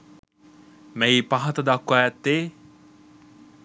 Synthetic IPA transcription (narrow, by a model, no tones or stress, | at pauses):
meipaɦɐt̪ɐd̪akːwæːt̪ːeː